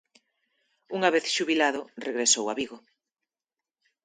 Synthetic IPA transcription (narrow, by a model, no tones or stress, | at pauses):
uŋaβeθʃuβilaðʊreɣɾesowaβiɣo